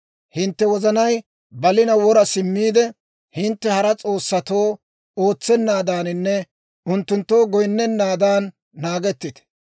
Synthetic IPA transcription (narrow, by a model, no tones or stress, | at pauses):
hɪnt̪ːɛwɔzɐnɐj | bɐlɪnɐwɔɾɐsɪmːiːd̪ɛ | hɪnt̪ːɛhɐɾɐt͡sʼo̞ːsːɐt̪o̞ː | o̞ːt͡sːɛnːaːd̪aːnɪnːɛ | ʔʊnt̪ːʊnt̪ːo̞ːɡɔjnːɛnːaːd̪aːnː | aːɡɛt̪ːɪt̪ɛ̥